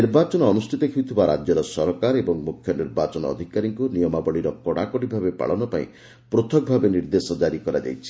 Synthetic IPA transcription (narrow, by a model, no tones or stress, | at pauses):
iɾbat͡ʃɔnɔːnusʈʰit̪ɔkʰiut̪ʰibaɾa̰d͡ʒjɔɾɔsɔɾɔkaɾebɔŋmukʰjɔniɾbat͡ʃɔnɔ̰ːd̪ʱikaɾiŋkunijɔmabɔɭiɾɔkɔɽakɔɽibʱabepa̰ɭɔnɔpaĩ | pɾot̪ʰɔk̚bʱabeniɾd̪esɔd͡ʒaɾikɔɾa̰d͡ʒa̰jt͡ʃʰi̥